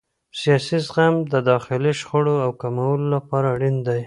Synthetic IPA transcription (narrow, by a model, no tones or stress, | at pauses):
sijɑsizɣamd̪əd̪ɑxɪliʃχoɽoawkamawəlolapɑɾaɽind̪aj